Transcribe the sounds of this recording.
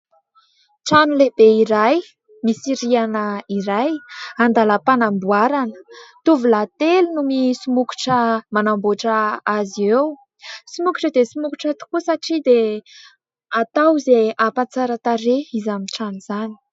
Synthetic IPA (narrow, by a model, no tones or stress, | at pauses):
ʈ͡ʂanuleb̥eiɾaj | misiɾianəiɾajand̪aləpanambuaɾanə̥t̪uvulat̪elnumisumuku̥ʈ͡ʂəmanamboʈ͡ʂəaziew | simuku̥ʈ͡ʂəd̪esimukuʈ͡ʂat̪u̥kusaʈ͡ʂid̪e | at̪awzeapat͡saɾat̪aɾeizamiʈ͡ʂaniz̥ani̥